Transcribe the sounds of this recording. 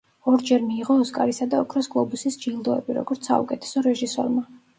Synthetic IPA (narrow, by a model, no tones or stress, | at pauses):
ɔɾd͡ʒɛɾmiːʁɔːskʼaɾisad̪aɔkʰɾɔsɡʼlˠɔbusisd͡ʒilˠd̪ɔɛ̰biɾɔ̰ɡɔɾt̪sʰa̰ṵkʼɛt̪ʰɛ̥sɔɾɛʒisɔ̰ɾma